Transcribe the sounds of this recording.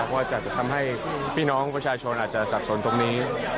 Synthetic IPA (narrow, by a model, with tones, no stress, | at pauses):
kwaː˥˩t͡ɕa˨˩t͡ɕa˨˩t̪ʰa˧mɦa˥˩jpʰiː˥˩nɔː˦˥ŋpɾa˧t͡ɕʰaː˧t͡ɕʰo˧nʔaː˨˩t̪̚t͡ɕa˨˩sa˨˩p̚so˩˦nt̪o˧ŋniː˦˥